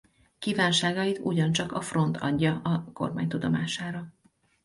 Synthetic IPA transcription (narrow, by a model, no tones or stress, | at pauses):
kiːvaːnʃaːɡɒjit̪ṵɟɒnt͡ʃɒkɒfro̞nt̪ʰɒdːɒɒko̞̰rma̰ːɲt̪ud̪o̞maːʃaːɾɒ